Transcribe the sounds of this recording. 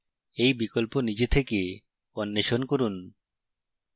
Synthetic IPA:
ejbikɔlponid͡ʒet̪ʰeke | ɔnːeʃonkoɾun

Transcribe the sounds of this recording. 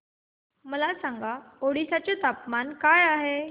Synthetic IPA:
məlasãŋɡaoɽisat͡ɕat̪apmankajaɦe

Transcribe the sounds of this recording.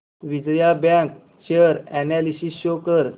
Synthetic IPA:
ʋid͡ʑjabãk | t͡ɕeəɾɛnɛlisisɕokəɾ

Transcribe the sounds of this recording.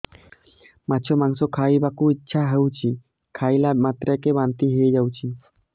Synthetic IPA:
matːʃʰomaŋsokʰajbakuitːɕʰaɦewt͡ɕʰi | kʰajlamat̪ɾakebant̪iɦeed͡ʑawt͡ɕʰi

